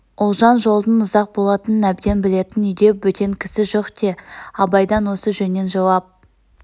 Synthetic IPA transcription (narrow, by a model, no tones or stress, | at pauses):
ʊlˠʒɑnʒo̞lˠd̪ənʊzɑq̚bo̞lˠɑt̪ənənæbd̪e̞nbɪle̞t̪ɪnʏjd̪e̞wɵt̪ʰe̞ŋkʲʰɪsɪʒoqd̪e̞ɑbɑjd̪ɑnwo̞səʒɵnːe̞nʒɑwɑp̚